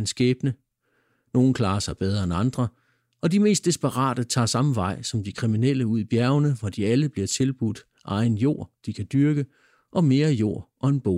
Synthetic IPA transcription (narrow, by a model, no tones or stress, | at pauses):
nsɡ̥ɛːb̥nə | no̝ːn̩kʰlɑ̈ːɐsɑ̈ɪb̥eð̞ˠɐenɑ̈nd̥ʁɐ | ʔɒ̽dime̝̰ːsd̥isb̥əʁɑ̰̈ːd̥ət͡sʰɑ̰̈ːsɑ̈məʋɑ̈ɪ̰sɒ̽md̥ikʰʁiminel̰əuð̰ˠib̥jæɐʊnəʋɒd̥iæləb̥liɐt͡sʰe̝lb̥ud̥ | ʔɑ̈ɪnjo̝ɐ̰d̥ikʰæd̥yɐɡ̥ə | ʔɒ̽me̝ːɐjo̝̰ɐ̰ʔɒ̽e̝nb̥o̰